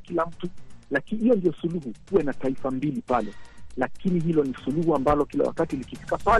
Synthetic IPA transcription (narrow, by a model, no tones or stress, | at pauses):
kilam̩tulakinhijɔndijɔsuluhukuwɛnataifambilipalɛlakinihilɔnisuluhuambalɔkila̰wa̰katilikifi̥kapal